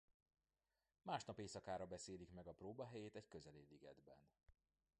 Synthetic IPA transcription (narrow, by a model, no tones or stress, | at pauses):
maːʃnɒpeːsɒkaːɾɒbɛseːlikmɛɡɒproːbɒɦɛjeːt̪ɛckøzɛleːliɡɛ̰d̪bɛ̰n